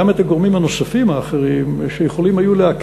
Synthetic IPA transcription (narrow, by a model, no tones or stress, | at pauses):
amet̪aɡo̞ʁmimhano̞safimaːχeʁimʃejeχo̞limajuleak